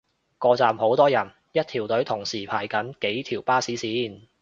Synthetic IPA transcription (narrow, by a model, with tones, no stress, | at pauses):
kɔː˧t͡saː˨mho˨˥wt̪ɔː˥jɐ˨˩n | jɐ˥t̚t̪ʰiː˨˩wt̪ɵ˨˥ɥt̪ʰʊ˨˩ŋsiː˨˩pʰaː˨˩jkɐ˨˥nke˨˥jt̪ʰiː˨˩wpaː˥siː˨˥siː˨˥n